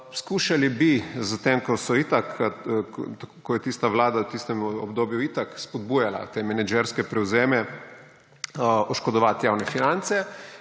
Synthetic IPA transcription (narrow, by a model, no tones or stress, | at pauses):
skuːʃalibizət̪emkɔsɔit̪ak | t̪kkɔjɛt̪iːst̪aʋlaːd̪awt̪ist̪ɛmɔbd̪oːbjuit̪akspɔd̪buːjala̰t̪eːmɛnɛd͡ʒɛɾskɛpɾɛwzeːmɛ | ɔʃkɔd̪ɔʋat̪jawnɛfinant̪sɛ